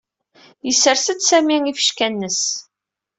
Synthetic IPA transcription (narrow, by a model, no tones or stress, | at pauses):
jəsːəɾsəd̪sæmiŋifə̥ʃkænːəs